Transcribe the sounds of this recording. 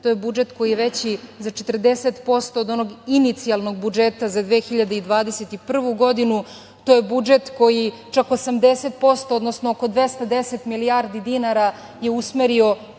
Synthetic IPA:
t̪ojebud͡ʒet̪ko̞jijeʋet͡ɕizat͡ʃet̪r̩d̪eset̪po̞st̪o̞ːd̪o̞noɡinit̪sialno̞ɡ̚bud͡ʒet̪azad̪ʋeːxiʎad̪eid̪ʋaːd̪eset̪ipr̩ʋuɡo̞d̪inu | t̪ojebud͡ʒet̪ko̞ji | t͡ʃako̞samd̪eset̪̚po̞st̪o̞od̪nosnooko̞d̪ʋest̪ad̪eset̪milijaːɾd̪id̪inaɾa | je̞usmeɾio̞

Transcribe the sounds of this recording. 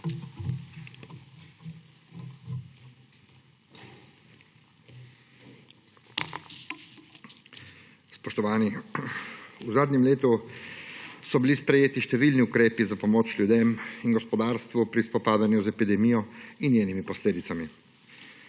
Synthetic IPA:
spɔʃt̪ɔʋaːni | uzaːd̪nɲɛmleːt̪u | sɔbilispɾɛjeːt̪iʃt̪ɛʋilniukɾeːpizapɔmoːt͡ʃljud̪eːminɡɔspɔd̪aːɾst̪ʋupɾispɔpaːd̪anjuzɛpid̪ɛmijɔinjeːnimipɔsleːd̪it̪ami

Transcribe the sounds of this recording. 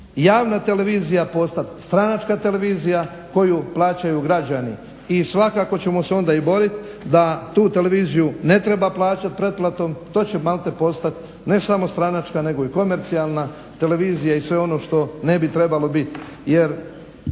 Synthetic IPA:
jaːʋnat̪e̞le̞ʋiːzijapo̞st̪at̪st̪ɾanat͡ʃkat̪e̞le̞ʋiːzija | ko̞juplˠaːt͡ɕajuɡɾad͡ʑanḭ | isʋakako̞t͡ɕe̞mo̞seo̞nd̪aibo̞ɾit̪ | d̪at̪uːt̪e̞le̞ʋiːzijune̞t̪ɾe̞baplˠaːt͡ɕat̪̚pɾe̞d̪̚plˠat̪o̞mt̪o̞ːt͡ɕe̞malˠt̪e̞po̞st̪at̪ | ne̞samo̞st̪ɾanat͡ʃkane̞ɡo̞iko̞me̞ɾt̪sialˠna | t̪e̞le̞ʋiːzijaisʋe̞o̞no̞ʃt̪o̞ne̞bit̪ɾe̞balo̞bit̪je̞ɾ

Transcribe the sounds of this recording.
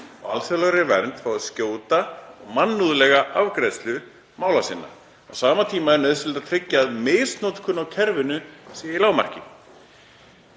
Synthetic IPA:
ɔ̰ɣa̰lsɛlaɾɾɪvɛ̰ɾnt̪fawscoːwt̪aɔɣmanːuðlɛɣaʔavkɾɛðst̪lʏ | maːwlasɪnːa̰ | a̰wsaːmat̪ʰiːmaɛɾnaðɪsɪlt̪at̪ʰɾɪcːaːðmeːst̪nowt̪kʰʏnːawcʰɛɾvɪnʏsijilaːwma̰r̥cɪ

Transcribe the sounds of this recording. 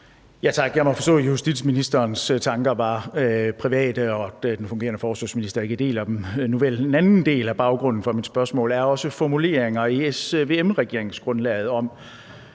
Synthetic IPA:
jæt͡sʰɑ̈ɡ̥jɑ̈ɪmɒfɒ̽sd̥ɔ̰ːhusd̥id̥sminisd̥ɐːnst͡sʰɑ̈ŋɡ̥ɐʋɑ̈pʰʁiʋɛ̰ːd̥əɒ̽d̥enfɔ̽ŋɡe̝̰ːɐnəfɒːslɒsminisd̥ɐe̝ɡ̥əæd̥e̝̰ːlæd̥emnuʋele̝nænn̩d̥e̝̰ːlæb̥ɑ̈ʊɡ̥ʁɔ̽n̰n̩fɒ̽mid̥sb̥ɶɐsmɔ̰ːlæɐɒ̽səfɒmule̝̰ːɐeŋɐesʋe̝ːemʁɛɡ̥e̝ɐeŋ̩sɡ̥ʁɔ̽nlɛ̰ːð̩ˠɒ̽m

